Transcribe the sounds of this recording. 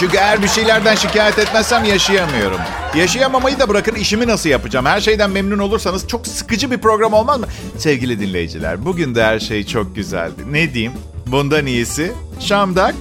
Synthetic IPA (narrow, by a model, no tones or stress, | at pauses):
t͡ʃucʲyejæɾbiʃe̞jlʲæɾd̪ænʃicaːjɛt̪ɛt̪mæzsæmjaʃɯjamɯjo̞̰ɾṵm | jaʃajamamajɯd̪abɯɾakɯniʃiminasɯljapɯd͡ʒamhæɾʃe̞jd̪ænmemnuno̞lˠuɾsanɯzt͡ʃʰo̞ksɯ̥kɯd͡ʒɯbipɾo̞ɡɾamo̞lˠmazmɯ | sɛvɟilʲid̪inlʲejid͡ʒḭlʲæ̰ɾbuɟynd̪ɛæɾʃe̞jt͡ʃʰo̞k̚ɟyzæ̰lʲd̪ɪned̪ijim | bund̪anijesɪ | ʃamd̪ak̚